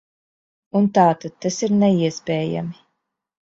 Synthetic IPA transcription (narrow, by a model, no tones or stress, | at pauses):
unt̪aːt̪ad̪̚t̪asiɾnɛiɛspʲɛːja̰mi